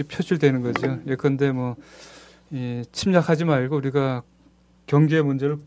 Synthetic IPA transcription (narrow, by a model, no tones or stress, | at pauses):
epʰjod͡ʑuɭdwe̞nɯnɡʌd͡ʑiojekɯʌnde̞mwʌ | it͡ɕʰimɲakʰad͡ʑimaɭɡouɾiɡa | kjʌŋɡeemund͡ʑe̞ɾɯɭ